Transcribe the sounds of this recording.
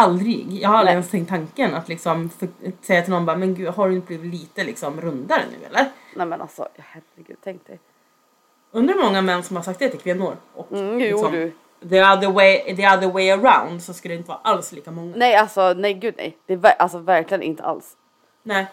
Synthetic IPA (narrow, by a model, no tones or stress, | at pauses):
ald̪ɾɪ̰ɡjɑ̰ːɡhaɾalɾɪɛnst̪ʰɛŋkt̪ːʰaŋkənat̪lɪksɔmfœsɛjːat̪ʰɪlnɔnbɑːɾmɛnɡʉːɦaɖɵɪnt̪əbliːvɪt̪liːt̪əlɪksɔmɾɵnd̪aɾə̰nʉ̟̰ːɛ̰lːəɾnɛmɛnʔa̰lsɔ̰jɑhærəɡʉ̟ːd̪̚t̪ʰɛŋk̪̚d̪ɛ | ɵnd̪əɾmɔŋːamɛnːsɔmhaɾsak̚t̪d̪ɛt̪ʰɪkʰvɛnːuɾʔɔkkːsɔm | ðiaðəweɪd̪iaðəɾweɪəɾaʊnd̪sɔskɵld̪ɛɪnt̪əvɑ̰ːɾʔalsliːkamɔŋːanɛjalsɔnɛjɡʉ̟d̪nɛ̰jd̪̥ɛvæʔalsɔvæɾklɪɡənʔɪ̰nt̪ə̰a̰ls | nɛɪ